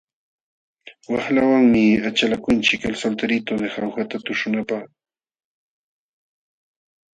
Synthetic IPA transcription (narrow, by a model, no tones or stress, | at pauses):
waχlawaŋmɪat͡ʃalakʊnt͡ʃɪkalsalt̪aɾɪt̪od̪exawxat̪at̪ʊʃʊnapaχ